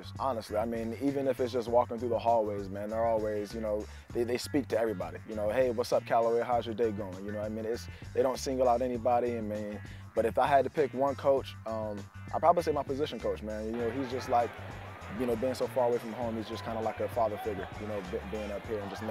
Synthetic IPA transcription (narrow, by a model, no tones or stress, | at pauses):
sɑnəstˡliaɪmĩnivɨ̃nɨfɨtsd̥ʒ̥ʌst̚wɔkɪ̃ŋθɹʉðəhɔlˠweɪzmæ̃nðə˞ɔlˠwizjɨnoʊ | ðeɪðeɪspik̚tʰɨɛvɹibɑ̰ɾijɨnoʊheɪwʌtsʌp̚kʰælˠəweɪɦaʊzjə˞deɪɡoʊɪ̃ŋjɨnoʊaɪmĩnɪts | ðeɪɾõʊ̃ntsɪ̃ŋɡəlˠaʊɾɛnibɑɾiɨ̃nmi | b̥ʌɾɨfaɪɨd̚tɨpʰɪkwʌ̃nkʰoʊt͡ʃʌ̃m | ʔa̰ɪpʰɹ̥ɑbəbliseɪmaɪpɨzɪʃɨ̃n̩kʰoʊt͡ʃmæ̃njɨnoʊizd͡ʒʌstˡlaɪk | jɨñoʊbiɪ̃ŋsoʊfɑɹəweɪfʌ̃mðəɦõʊ̃mhizd͡ʒʌskʰãɪ̃ndəlaɪkɨfɑðə˞fɪɡjə˞jɨnoʊbɪbiɪ̃ŋʌphiɹɨ̃nd͡ʒʌsn